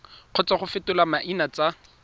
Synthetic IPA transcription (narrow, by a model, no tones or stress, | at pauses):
q͡χʰɔt͡saχʊfɪtʊlamaʔinat͡sʼa